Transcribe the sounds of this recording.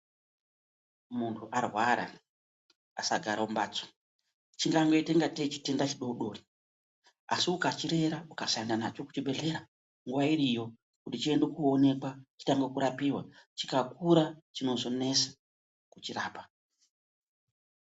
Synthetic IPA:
muntʰuʔarwaɾa̰ | a̰saɡʱaɾaumbaːt͡so̥ | t͡ʃiŋɡaŋɡeiteŋɡatet͡ʃi̥tendat͡ʃiɗo̞uɗo̞ːri | a̰siukat͡ʃiɾe̞ɾaukaʃandanat͡ʃo̞ku̥t͡ʃibʱe̞ɮe̞ɾa | ŋɡuʋaiɾijo̞ | kutit͡ʃiendokuone̞kwat͡ʃi̥taŋɡokuɾapiwa̰t͡ʃi̥kakuɾat͡ʃino̞zo̞ne̞sḁ | kut͡ʃiɾaːpḁ

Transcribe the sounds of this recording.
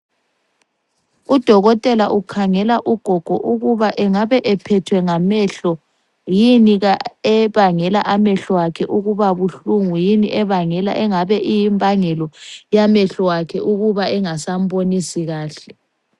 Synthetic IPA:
ud̥ʱɔɣɔtʼɛlaʔukʰaŋɛlaʔuɡ̥ʱɔɡ̥ʱɔʔuɣuβaʔɛŋaβɛʔɛpʰɛtʰwɛŋamɛɬɔ | jiniɣaɛβaŋɛla̰ʔamɛɬɔwakʰɛʔuɣuβaβuɬuŋujiniʔɛβaŋɛla̰ʔɛŋaβɛʔijimbʱaŋɛlɔjamɛɬɔwakʰɛʔuɣuβaɛŋasambonisiɣaːɬɛ

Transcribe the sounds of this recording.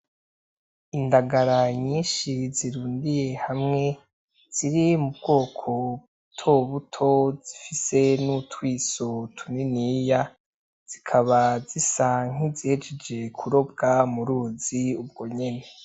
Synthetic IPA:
indaɡaɾaɲiːnʃiziɾuːndije̞hamŋe̞ | z̥iɾimubɡo̞ːkʰo̞ | tʰoβutʰo̞z̥ifise̞nutwiːsotʰuninija | z̥ikʰaβazisaŋ̥izihed͡ʒed͡ʒe̞kʰuɾo̞b̚ɡamuɾuːziub̚ɡo̞ɲe̞ne̞

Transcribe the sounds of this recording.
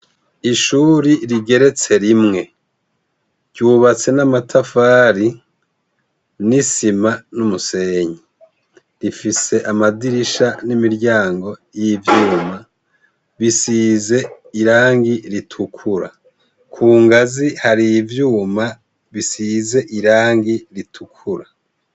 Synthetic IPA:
iʃuːɾiɾiɡe̞ɾe̞t͡se̞ɾimŋe̞ | ɟuːβat͡se̞namatʰafaːɾi | nisimanumuse̞ːɲi | ɾifise̞ʔamadiɾiʃanimiɾɟaːŋɡo̞jivjuːma | βisiːze̞ | iɾaːŋɡiɾitʰukʰuɾa̰ | kʰuːŋɡazihaɾivjuːma | βisize̞ʔiɾaːŋɡiɾitʰukʰuɾa

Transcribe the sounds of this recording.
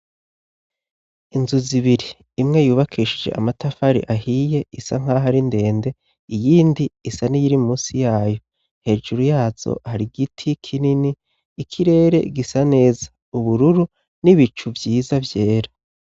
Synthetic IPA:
inzuziβiɾiː | mŋe̞juːβakʰiːʃid͡ʒe̞̰ʔa̰matafaɾḭʔaɦije̞isa̰ŋ̥aːɦaɾinde̞ːnde̞ | ijiːndiisanijiɾimuːsijaːjo̞ | nhe̞ːʒuɾujaːz̥o̰haɾiɡitʰikʰininiː | kʰiɾe̞ːɾe̞̰ɡisane̞ːzḁ | uβuɾuɾu | niβit͡ʃuvjiːzavjeːɾa

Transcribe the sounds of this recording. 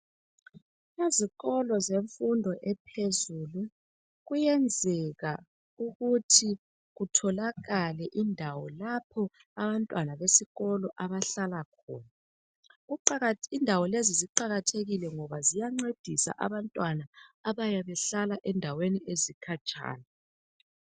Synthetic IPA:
eziɣɔlɔzeɱfundʱɔʔɛpʰezuːlu | ɣujɛnd͡zʱɛɣa | uɣutʰi | ɣutʰɔlaɣalɛʔindʱawɔlapʰɔ | aβantʼwanaβesiɣɔlɔʔaβaɬalakʰɔ̰ːna | ɣuǃaɣindʱawɔleziziǃaɣatʰeɣilɛŋɔβazijaŋ͡ǀed̥ʱisa̰ʔa̰βantʼwanaːβajaβɛɬalaʔɛndʱaweniezikʰat͡ʃʼa̰ːna

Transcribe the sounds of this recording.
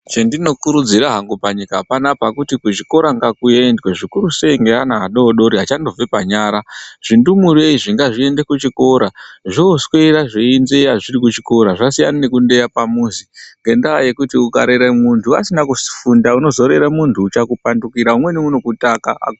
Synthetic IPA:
t͡ʃendino̞kuɾud͡ziɾaɦaŋɡupaɲikaapanapakutikut͡ʃiko̞ɾaŋɡakue̞ndweʐikuɾuse̞iŋɡeanaɦaɗo̞ːɗo̞ɾiɦat͡ʃando̞b͡ve̞paɲaːɾaʐ̥indumuɾeiʐiŋɡaʐie̞nde̞kut͡ʃiko̞ɾaʐousweiɾaʐeinzejaʐiɾikut͡ʃiko̞ɾaʐasijananekunde̞japamuziŋɡe̞ndaaje̞kutiuka̰ɾeɾemuntʰua̰sinakusi̥fundauno̞zo̞ɾeɾamuntʰuːt͡ʃakupandukiɾaumwe̞niunokutakaa̰

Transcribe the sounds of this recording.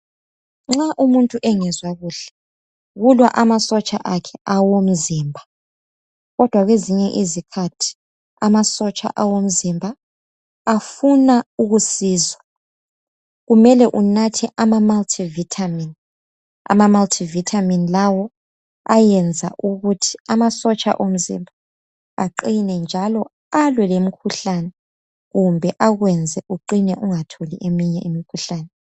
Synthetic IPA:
ŋ͡ǁaʔumuntʼuʔɛŋɛzwaɣuːɬɛ̥ | ɣulwa̰ʔamasɔt͡ʃʼaʔakʰɛawom̩ziːmbʱa | ɣɔd̥ʱwaɣweziɲɛʔizikʰatʰi̥ | amasɔt͡ʃʼa̰ʔawom̩zimbʱaː | funauɣusiːza | ɣumɛlɛʔunatʰɛʔamamaltʰivitʰamin | a̰mamaltʰivitʰaminlawɔ | ajɛnd͡zʱa̰ʔuɣutʰi̥amasɔt͡ʃʼa̰ʔom̩zḭmbʱa | aǃinɛnd͡ʒʱalɔ | alwɛlem̩kʰuɬanɛ | ɣumbʱɛʔaɣwɛnd͡zʱɛʔuǃinɛʔuŋatʰoliʔemiɲɛʔimikʰuɬaːnɛ

